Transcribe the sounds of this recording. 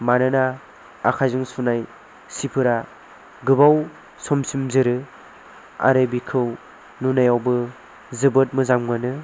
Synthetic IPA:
manɯnaː | kʰajzɯŋsunaj | sipʰɯɾa | ɡɯbaw | sɔmsimzɯɾɯ | a̰ɾɯbikʰɯw | nunajawbɯ | zɯbɯt̚mɯzamŋɯnɯ

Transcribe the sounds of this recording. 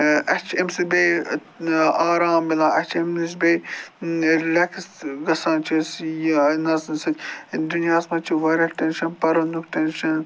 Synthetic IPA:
ɐt͡ʃʰemsibej | aːɾaːmbilaːɐt͡ʃʰemnis̬be | lɐkʰsɡɐsaːnt͡ʃʰisjnɐznsɐt̪ʲd̪unjaːsmɐt͡ʃʰiʋɐɾʲɐlʈenʃɐnpɐɾɐnukʈɐnʃɐn

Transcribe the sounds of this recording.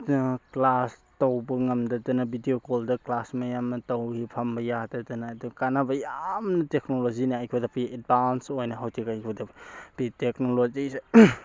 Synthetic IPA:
klastɐwbɐŋɐmdɐdɐnɐbʱidiokoldɐklasmɐjamnɐtɐwhipʰɐmbɐjadɐdɐnaːdukanabɐjamnɐtek̚nolozinaajkʰodapied̚bansojnɐɦawtʰikajkʰodɐppiteknolozise

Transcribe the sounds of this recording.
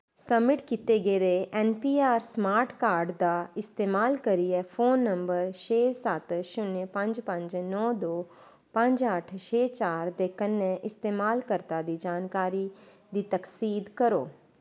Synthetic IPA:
səbmːɪʈkit̪eɡeːd̪eʔɛːnpiːaːɾsmaːɾʈkaːɾɖd̪aːɪst̪eːmaːlkəɾiɛpʰoːnːəmbəɾʃeːsət̪ʃʊnpə̃ɲd͡ʒpə̃ɲd͡ʒnɔːd̪oː | pə̃ɲd͡ʒəʈʰʃeːt͡ʃaːɾd̪eːkənːɛ̃ʔɪst̪eːmaːlkəɾt̪ad̪iːd͡ʒaːnkaːɾi | d̪iːt̪əksiːd̪kəɾo̰ː

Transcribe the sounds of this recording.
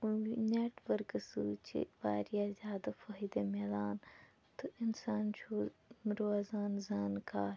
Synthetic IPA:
uineːʈʋəɾkɐsut͡ʃḛba̰ːɾijazjaːd̪afɐɦid̪emeːd̪aːn | t̪ɨʔɪnsaːnt͡ʃʰoɾoːzaːnzaːnkaːɾ

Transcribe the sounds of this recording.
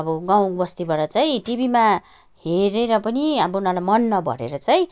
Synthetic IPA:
ʌbʌɡaw̃bʌst̪ibʌɾʌt͡saĩʈibʱima | ɦeɾeɾʌpʌniʌbʌunalajmʌnːʌbʱʌ̰ɾḛɾʌt͡sajĩ

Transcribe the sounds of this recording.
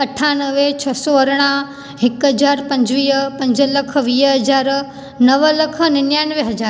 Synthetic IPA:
ɐʈʰanəʋet͡ɕʰɐsɔɐɾɽ̃ã | ɦɪkɦɐd͡ʑaːɾpɐ̃ɲd͡ʑʋiːɦpɐ̃ɲd͡ʑəlɐk̆ʰʋiːɦɐzaːɾ | nɐʋəlɐkʰnɪnjaːnʋeɦɐd͡ʑaːɾ

